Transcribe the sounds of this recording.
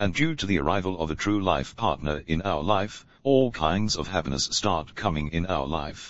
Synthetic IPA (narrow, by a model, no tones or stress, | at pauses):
ɨ̃ndjʉɾɨðiə̰˞ʔaɪvəlˠʌvɨtʰɹ̥ʉlaɪfpʰɑɹtⁿnə˞ɪ̃naʊə˞laɪf | ɔlˠkʰãɪ̃ndzʌv̥hæpinə̰sstɑɹt̚kʰʌmɪ̃ŋɪ̃naʊə̰˞la̰ɪf